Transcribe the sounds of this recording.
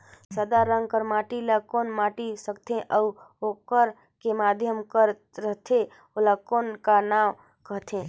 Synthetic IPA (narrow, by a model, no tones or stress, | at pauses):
səd̪aɾə̃ŋɡkəɾmaːʈilakoːnmaːʈisəkt̪ʰẽʔəu | okəɾ | kemaːd̪ʱjəmkəɾ | ɾəɦt̪ʰe | olakoːnkanaːm | kəɦt̪ʰẽː